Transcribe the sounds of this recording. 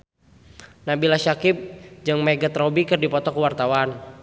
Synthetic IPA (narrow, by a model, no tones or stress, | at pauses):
nabilaʃakɪp̚d͡ʒɨŋmɛɡət̪rɔbikɨrdipɔt̪ɔkuwart̪awan